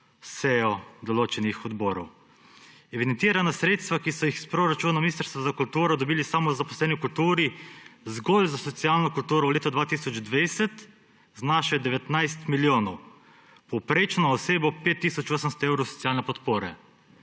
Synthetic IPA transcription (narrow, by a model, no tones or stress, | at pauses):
sɛɔd̪ɔloːt͡ʃɛnixɔd̪bɔɾɔw | ɛʋid̪ɛnt̪iːɾanasɾeːt̪st̪ʋakisɔjixspɾoɾat͡ʃuːnɔminist̪ɾst̪ʋazakult̪uːɾɔd̪ɔbiːlisamɔzapɔslɛːnikult̪uːɾizɡolzasɔt̪sijalnɔkult̪uːɾɔwleːt̪ɔd̪ʋaːt̪iːsɔd͡ʒd̪ʋajsɛt̪ | znaʃɛd̪ɛʋɛt̪najst̪miljoːnɔw | pɔwpɾeːt͡ʃnɔɔseːbɔpeːt̪ːiːsɔt͡ʃoːsəmst̪ɔewɾɔwsɔ̥sijaːlnɛpɔt̪poːɾɛ